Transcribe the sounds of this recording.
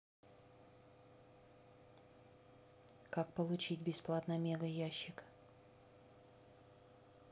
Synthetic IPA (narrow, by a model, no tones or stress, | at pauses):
kak̚pəlˠʊt͡ɕitʲbʲɪsplˠat̪nəmʲeɡəjaɕːɪk